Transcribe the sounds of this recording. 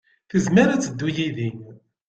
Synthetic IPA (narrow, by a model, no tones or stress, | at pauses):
θəzməɾæt͡sːəd̪ːujiðin